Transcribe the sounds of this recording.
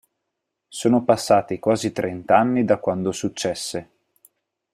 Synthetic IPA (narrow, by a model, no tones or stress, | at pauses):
soːnopasːaːt̪ikwaːzit̪ɾʔɛnt̪anːid̪akwand̪osut͡ʃːɛsːe